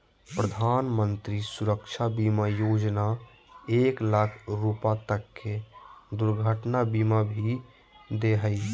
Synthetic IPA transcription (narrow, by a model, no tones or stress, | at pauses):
pɾəd̪ʱaːnmə̃nt̪ɾisʊɾəkʃʰabiːmajoːd͡ʒna | eːklakʰɾuːpat̪əkːed̪ʊɾɡʱəʈnabimabʱi | d̪eɦəi